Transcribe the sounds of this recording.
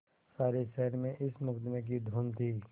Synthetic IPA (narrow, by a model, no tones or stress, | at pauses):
saːɾeʃɛɦəɾmẽʔɪsmʊkd̪mẽk̬id̪ʱoːnt̪ʰiː